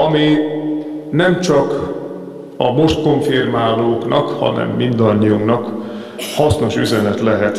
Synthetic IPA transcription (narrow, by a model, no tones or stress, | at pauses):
ɒmi | nɛmt͡ʃɒk | ɒmo̞ʃt̪̚ko̞ɱfirmaːloːknɒkhɒ̰nɛ̰mːind̪ɒɲːiuŋknɒk | hɒsno̞ʃyzɛnɛt̪lɛɦɛt̪